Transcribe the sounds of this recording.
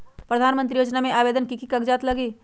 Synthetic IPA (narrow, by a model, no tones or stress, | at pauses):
pɾəd̪ʱaːnmə̃nt̪ɾijoːd͡ʒnamẽʔaːʋeːd̪ənkikikɐɡd͡ʒaːt̪lɐɡiː